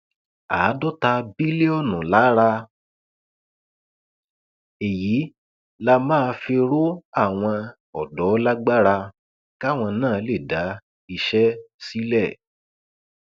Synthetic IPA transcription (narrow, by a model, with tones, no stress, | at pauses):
aː˨˦dɔ˦ta˧bi˦le˦ɔ˦˨nũ˨la˨˦ɾa˧ | e˨ji˨˦ | la˧mãː˦˧fe˧ɾo˦a˦˨w̃ɔ̃˧ | ɔ˨dɔ˨˦la˦ɡ͡ba˦ɾa˧ | ka˦˨w̃ɔ̃˧nãː˦˨˦le˦˨da˨˦ | i˧ʃɛ˦si˦lɛ˦˨